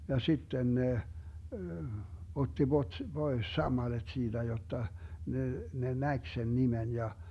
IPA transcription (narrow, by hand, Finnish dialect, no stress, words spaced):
jɑ sitːen ne otːi b̥ot b̥ois sɑmːɑled̥ siːd̥æ jotːɑ ne ne næk sen nimen jɑ